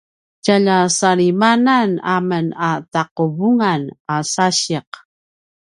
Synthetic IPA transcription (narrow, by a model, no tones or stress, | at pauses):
caʎasaɾimananamənataqubuŋanasaɕiq